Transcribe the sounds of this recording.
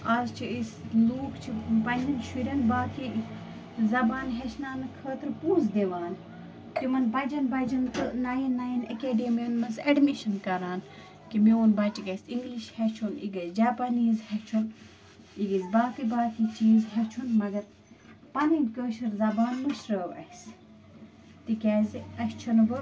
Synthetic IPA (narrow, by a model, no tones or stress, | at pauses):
azt͡ʃʰiisloːkt͡ʃʰibɐninʃuɾʲɐnbaːt̪ʰi | zɐbaːnɦɛʃnaːnɨkʰəːt̪ɨɾpuːzd̪eʋaːn | t̪imɐnbɐd͡ʒɐnbɐd͡ʒɐnt̪ɨnajinːajinɐkeːɖemiɐnmɐzɐɖmiʃɐnkɐɾaːn | kimioːnbɐt͡ʃiɡɐjsiŋɡliʃhɛt͡ʃʰunḭɡɐzd͡ʒaːpaniːzhɛt͡ʃʰun | iɡɐzbaːfibaːt̪ʰit͡ʃiːzɦɛt͡ʃʰunmɐɡɐɾ | pɐnidkəːʃɐɾzɐbaːnmuʃɾəʋɐ̰his | t̪ikʲɛːziɐst͡ʃʰɐnʋɨ